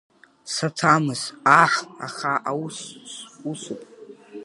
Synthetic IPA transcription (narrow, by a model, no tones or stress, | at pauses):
satʰamɨzaħa̰χaʔawussusupʼ